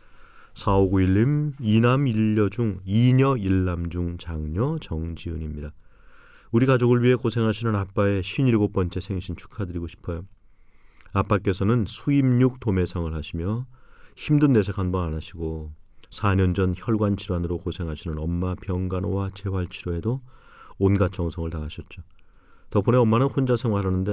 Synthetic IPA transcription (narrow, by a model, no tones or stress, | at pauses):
sʰaoɡuiɭːiminamiʎːʌd͡ʑuŋiɲʌiɭːamd͡ʑuŋt͡ɕaŋɲʌt͡ɕʌŋd͡ʑiɯɲimɲida | uɾikad͡ʑoɡɯɭɥiɦe̞kosʰe̞ŋɦaɕʰinɯnap͈ae̞ɕʰɥiɲiɭɡop͈ʌnt͡ɕʰe̞sʰe̞ŋɕʰint͡ɕʰu̥kʰadɯɾiɡoɕʰi̥pʰʌjo | ap͈ak͈e̞sʰʌnɯnsʰuimɲuk̚tome̞sʰʌŋɯɭhaɕʰimjʌçimdɯnːe̞sʰekʰanbʌnanaɕʰiɡosʰaɲʌnd͡ʑʌnçjʌɭɡwant͡ɕʰiɾwanɯɾokosʰe̞ŋɦaɕʰinɯnʌmːapjʌnɡanowat͡ɕe̞waɭt͡ɕʰiɾoe̞do | onɡat͡ɕ͈ʌŋsʰʌŋɯɭtaŋaɕʰʌt̚t͡ɕ͈o | tʌpʰune̞ʌmːanɯnhond͡ʑasʰe̞ŋwaɾanːɯnde